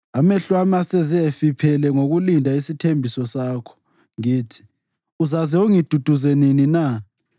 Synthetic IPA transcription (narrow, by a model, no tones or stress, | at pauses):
amɛɬwamasɛzɛfipʰɛlɛŋoɣulindʱaisitʰembʱisɔsaːkʰɔ̥ | ŋiːtʰi̥ | uzazɛoŋid̥ʱud̥ʱuzeninina